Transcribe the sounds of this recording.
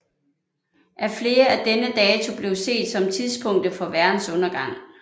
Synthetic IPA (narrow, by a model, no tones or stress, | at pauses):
ʔæɐfle̝ːɐæd̥enəd̥ɛːt͡sʰo̝b̥le̝ʊse̝̰ːd̥sɒ̽mt͡sʰiðˠspʰɔ̽ŋ̰d̥əfɒ̽ʋæɐd̥n̩sɔ̽nɐɡ̥ɑ̈ŋ̰